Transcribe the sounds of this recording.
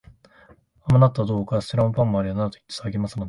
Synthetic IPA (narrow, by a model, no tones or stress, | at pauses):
amanat̪ːad̪oːkasiɾãmpãmːoaɾʲianaɾt̪oi̥t̪ːe̥saaɡʲimasɨnod̪e